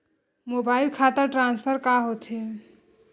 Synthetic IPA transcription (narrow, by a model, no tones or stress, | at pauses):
mobailkʰat̪əɾʈɾãnspʰəɾkaɦot̪ɦe